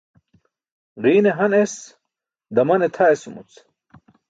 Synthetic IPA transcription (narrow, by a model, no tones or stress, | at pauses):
ʁiːneɦɐnes | d̪ɐmɐnet̪ʰaesumṵt͡s